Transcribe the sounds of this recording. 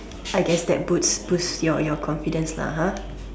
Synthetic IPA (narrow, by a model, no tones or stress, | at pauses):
ʔajɡɛsdɛ̰t̚butsbusjɔjɔkʰɔ̃nfidə̃nsla̰ɦã